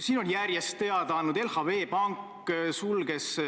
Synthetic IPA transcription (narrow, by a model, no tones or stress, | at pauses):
siːno̞njærjest̪ːe̞ɑd̪̥ɑɑnːud̪̥e̞lhɑve̞ːpɑŋkˑː | sulɡ̥es